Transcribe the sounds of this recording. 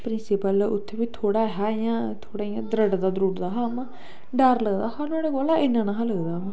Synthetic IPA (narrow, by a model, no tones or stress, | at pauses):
pɾɪnsɪpəlʊ̰t̪ʰːebiːt̪ʰoːɽaːɦajãːt̪ʰoːɽaːijãːd̪ɾəɖd̪aːd̪ɾuʈd̪aːɦaːmãː | ɖəɾləɡd̪aːhaːnaːɽeɡolaːʔɪnːãːnaɦaləɡd̪aːmãː